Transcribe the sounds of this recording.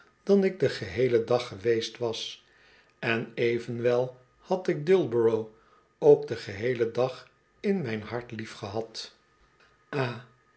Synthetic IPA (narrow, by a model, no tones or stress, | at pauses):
d̥ɑnɪɡ̚dəχəɦejlədɑχəʋejstʋɑs | ɛnejvənʋɛlˠ | hɑtɪɡ̚dɪlˠbəɹow | owkdəχəɦejlədɑχ | ɪnmɛjnɦɑɹtlifχəɦɑt | ʔaː